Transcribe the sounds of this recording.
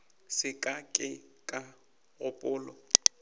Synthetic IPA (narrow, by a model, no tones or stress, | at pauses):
sɪkʼakʼɪkʼa | ɣʊpʼʊːlɔ